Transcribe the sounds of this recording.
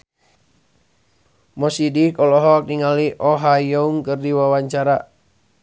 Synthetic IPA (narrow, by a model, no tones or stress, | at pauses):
mɔsidikɔlɔɦɔk̚niŋaliʔɔɦajɔuŋkɨrdiwawaɲt͡ʃaɾa